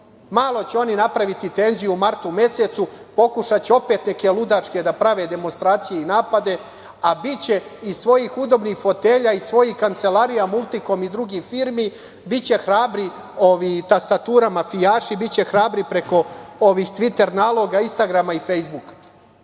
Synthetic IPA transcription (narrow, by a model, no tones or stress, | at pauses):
maːlˠo̞t͡ɕeo̞ninapɾaʋit̪it̪eːnzijumaɾt̪ume̞se̞t̪supo̞kuʃat͡ɕeo̞pe̞ːt̪ne̞ke̞lud̪at͡ʃke̞d̪apɾaʋe̞d̪e̞monst̪ɾaːt̪sije̞inaːpad̪e̞ | abit͡ɕe̞isʋo̞jixud̪o̞bnixfo̞t̪eːʎaisʋo̞jihkant̪se̞laɾijamulˠt̪ikomid̪ɾuɡifiːɾmi | bit͡ɕe̞xɾaːbɾi | o̞ʋit̪ast̪at̪uːɾamafijaːʃibit͡ɕe̞xɾaːbɾipɾe̞ko̞oʋiːxt̪ʋit̪e̞ɾnaːlˠo̞ɡainst̪aɡɾamaife̞jzbukḁ